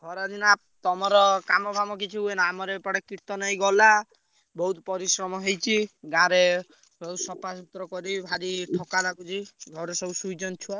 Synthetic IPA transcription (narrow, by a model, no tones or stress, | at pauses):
ɡʱɔɾɔd̪inap̚t̪ɔmɔɾɔkamɔbʱamɔkit͡ʃʰiuenaːmɔɾepɔɽekiɾt̪ɔnɔĩɡɔla | bɔɦut̪pɔɾisɾɔmɔɦejt͡ʃʰiɡãɾe | bɔusɔpasut̪ɾɔkɔɾibʱaɾiʈʰɔkalaɡud͡ʒʰiɡʱɔɾesɔusujd͡ʒɔnt͡ʃʰua